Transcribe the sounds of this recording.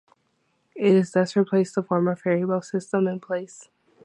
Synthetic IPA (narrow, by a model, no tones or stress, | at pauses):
ɪɾɨzðʌsɹipʰl̥eɪstʰəfɔɹmə˞fɛɹiwɛlˠsɪstə̃mɨ̃npʰl̥eɪs